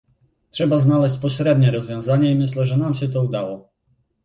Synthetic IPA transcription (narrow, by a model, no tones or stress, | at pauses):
tʂɛbaznalɛɕ̬t͡ɕpɔɕɾɛd̪ɲɛɾɔzvʲjɔ̃w̃zaɲɛimɘɕlɛʐɛnamɕɛt̪̬ɔud̪awɔ